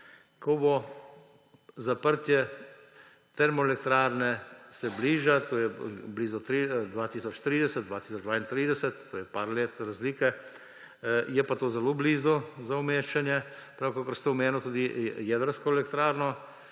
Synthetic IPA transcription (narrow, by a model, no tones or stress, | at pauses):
kɔbɔ | zapəɾt̪jɛ | t̪ɛɾmɔɛlɛkt̪ɾaːɾnɛsɛbliːʒat̪oːjɛbliːzɔt̪ɾid̪ʋaːt̪iːsɔt͡ʃt̪ɾiːd̪ɛsɛt̪d̪ʋaːt̪i̥sɔd͡ʒd̪ʋaːint̪ɾiːd̪ɛsɛt̪ːoːjɛpaːɾleːt̪ɾazliːkɛ | jɛpat̪oːzɛloːbliːzɔzaumeːʃt͡ʃanjɛpɾawkokɔɾst̪oʊmeːnɔt̪uːd̪ijɛːd̪əɾskɔɛlɛkt̪ɾaːɾnɔ